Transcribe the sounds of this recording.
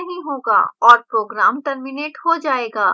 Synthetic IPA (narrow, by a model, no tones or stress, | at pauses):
ɐɦĩɦoːɡa̰ːɔːɾpɾoːɡɾa̰ːmʈɐɾmɪneːʈɦod͡ʒaːeːɡaː